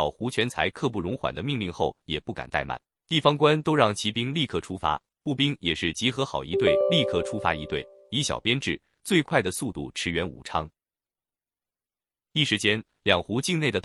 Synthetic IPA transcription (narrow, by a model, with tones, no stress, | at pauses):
ʊxu˧˥t͡ɕʰɥɛ˧˥nt͡sʰa˧˥ɪkʰɤ˥˧p̬u˥˩ɻʊ˧˥ŋxwa̰˨˩nd̪ə˦mi˥˧ŋli˥˧ŋxo˥˩ʊjɛ˨˩pu˥˩ka̰˨˩nt̪a˥˩ɪma̰˨˩˦n | t̪i˥˩fɑ˥ŋkwa˥nt̪o˥ʊɻɑ˥˩ŋt͡ɕʰi˧˥pi˥ŋli˥˧kʰɤ˥˩ʈ͡ʂʰu˥fa̰˧˥ | pu˥˩pi˥ŋjɛ˨˩ʂɻ̩˥˩t͡ɕi˧˥xɤ˧˥xɑ˨˩ʊi˧˥t̪we˥˩ɪli˥˧kʰɤ˥˩ʈ͡ʂʰu˥fa˧˥i˧˥t̪we˥˩ɪ | i˧˥ɕjɑ̰˨˩ʊpjɛ˥nʈ͡ʂɻ̩˥˩ | t͡swe˥˧ɪkʰwa˥˩ɪd̪ə˩su˥˧t̪ṵ˥˩ʈ͡ʂʰɻ̩˧˥ɥɛ˧˥nṵ˨˩ʈ͡ʂʰɑ˥ŋ | i˥˩ʂɻ̩˧˥t͡ɕjɛ˥n | ljɑ˨˩ŋxu˧˥t͡ɕi˥˧ŋne˥˩ɪd̪ə˩t̪